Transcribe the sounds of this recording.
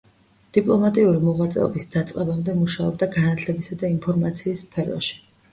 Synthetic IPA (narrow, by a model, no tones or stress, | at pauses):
d̪̥ipʼlˠɔmat̪ʼiuɾimɔʁwat̪sʼɛ̰ɔ̰bisd̪̥at̪sʼqʼɛbamd̪ɛmuʃaɔb̚d̪aɡanat̪ʰlɛbisad̪aimpʰɔɾmat̪sʰiːsːpʰɛɾɔ̰ʃi̥